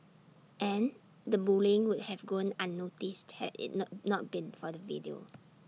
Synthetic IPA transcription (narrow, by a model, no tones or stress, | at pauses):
ʔɛ̃n | dəbulĩŋwʊd̚hɛvɡɔ̃nãnːotisthɛ̰dɪ̰t̚nɔt̚bĩnfɔdəvḭdio̰